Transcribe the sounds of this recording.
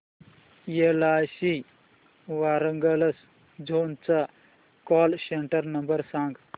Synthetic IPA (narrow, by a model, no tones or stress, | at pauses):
jelaːsi | ʋaːɾɐŋɡɐlɐs | d͡ʒoːnt͡sa | kɔːlseɳʈəɾnɐmbəɾsãːŋɡ